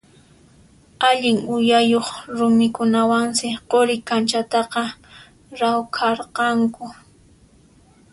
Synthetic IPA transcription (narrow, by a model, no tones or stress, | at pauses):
aʎɪŋʊjajoχɾʊmɪkʊnawaŋsɪqoɾɪkant͡ʃat̪ɑqɑ | ɾawkʰɑɾqɑŋkʊ